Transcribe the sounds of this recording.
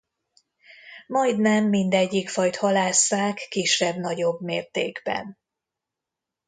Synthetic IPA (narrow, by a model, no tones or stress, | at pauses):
mɒjd̪nɛmːind̪ɛɟːikfɒjt̪hɒlaːsaːkːiʃɛbn̪ɒɟo̞bmeːrt̪ḛːɡbɛ̰n